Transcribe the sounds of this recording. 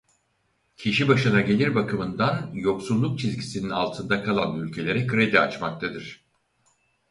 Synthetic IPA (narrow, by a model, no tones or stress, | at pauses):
cʰiʃibaʃɯnaɟe̞lʲiɾbakʰɯmɯnd̪anjo̞ksulˠːuk̚t͡ʃʰizɟisininalˠt̪ʰɯnd̪akʰalˠanylʲcʰe̞lʲe̞ɾɛkɯɾe̞d̪ia̰t͡ʃmak̚t̪ʰad̪ɯɾ̥